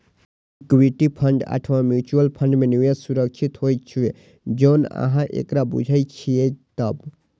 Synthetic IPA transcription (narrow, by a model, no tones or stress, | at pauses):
kwiʈipʰəɳɖa̰ʈʰʋãmjut͡ʃuəlpʰəɳɖmeniwjesuɾək̚t͡ʃʰit̪ɦojt͡ʃʰie | d͡ʒoːnə̰ɦãʔḛkɾabṵd͡ʒʱəjt͡ʃʰiet̪əb